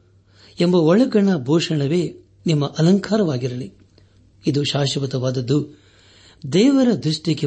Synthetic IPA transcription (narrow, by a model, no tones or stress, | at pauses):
embɐɔɭɐɡɐɳɐbʱɔːʂɐɳɐʋeː | nimːɐʔɐlɐŋkaːɾɐʋaːɡiɾɐli | id̪uʃaːʃɐʋɐt̪ɐʋaːd̪ɐd̪ːu | d̪ɛːʋɐɾɐd̪ɾuʂʈjike